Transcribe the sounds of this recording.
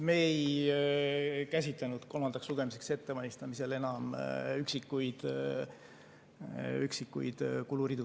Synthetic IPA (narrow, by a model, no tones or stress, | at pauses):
me̞j | kæs̬ʲit̪lenud̪̥ko̞lmɑnd̪̥ɑksluɡ̥e̞mise̞kse̞t̪ːevɑlʲist̪ɑmise̞le̞nɑmyksikːujd̪̥ | yksikːṵjd̪̥kuluɾid̪u